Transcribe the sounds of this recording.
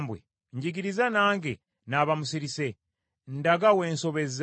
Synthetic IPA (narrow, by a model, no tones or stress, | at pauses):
mbwḛ | ɲɟiɡiɾizanaːŋɡe | naːβamusiɾise̞ | n̩daɡawe̞ːnso̞βe̞z